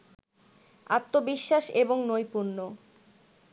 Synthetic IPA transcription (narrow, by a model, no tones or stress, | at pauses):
a̰t̪ːobiʃːaʃeboŋnojpuɾno